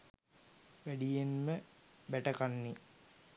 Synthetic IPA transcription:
ʋæɖijenməbɛʈɐkanːi

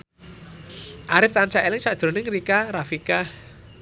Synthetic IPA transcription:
ʔaɾɪft̪ant͡ʃaʔelɪŋt͡ʃaʔd̥ʒ̥ɾo̤nɪŋɾikaɾafikah

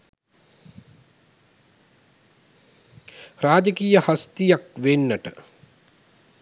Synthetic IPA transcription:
raːd͡ʒəkiːjəhast̪ijakʋenːəʈə

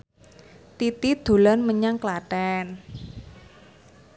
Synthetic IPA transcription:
t̪it̪id̪̥o̤lanməɲaŋklaɖ̥ɛn

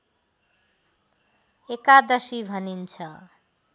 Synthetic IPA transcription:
ekad̪ʌsibʱʌnint͡sʰʌ

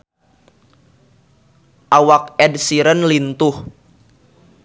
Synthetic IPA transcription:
ʔawak̚ɛdsiɾənlint̪ʊh

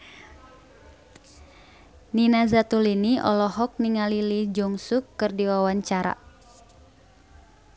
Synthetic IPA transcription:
ninazat̪uliniʔɔ̰lɔɦɔk̚niŋalilid͡ʒɔŋsukːɨrdiwawaɲt͡ʃaɾa̰

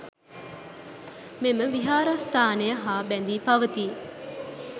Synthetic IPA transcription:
meməʋiɦaːɾast̪ʰaːnejəɦaːbænd̪iːpɐʋət̪iː

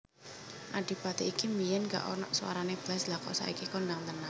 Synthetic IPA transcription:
ʔaɖ̥i̤pat̪eikimijɛnka̰ʔɔnɔ̰ʔsuwa̰ɾaneb̥lɛslakɔ̰sa̰ʔḭkikɔndaŋt̪əna

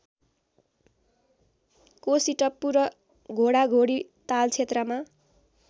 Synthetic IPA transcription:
kosiʈʌpːuɾʌ | ɡʱoɽaɡʱoɽit̪alt͡sʰet̪rʌma

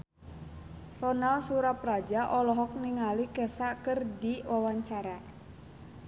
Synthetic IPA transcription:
rɔnalsuɾaprad͡ʒaʔɔlɔɦɔk̚niŋalikɛsakərdiwawaɲt͡ʃaɾa

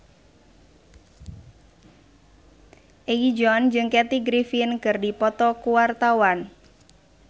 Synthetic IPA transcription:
ʔewid͡ʒɔnd͡ʒɨŋkɛt̪iɡɾifinkɨrdipɔt̪ɔkuwart̪awan

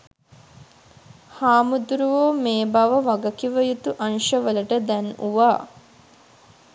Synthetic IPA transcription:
haːmud̪uɾuʋoːmeːbaʋəʋɐɡɐkiʋəjut̪uʔɐnʃəʋələʈəd̪ɛnuʋaː

